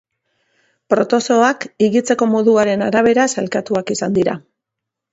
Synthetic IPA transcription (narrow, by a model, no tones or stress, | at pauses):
pɾo̞t̪o̞so̞akiɣit͡se̞ko̞mo̞ðuaɾe̞naɾaβ̞e̞ɾasalkat̪uakisand̪iɾa̰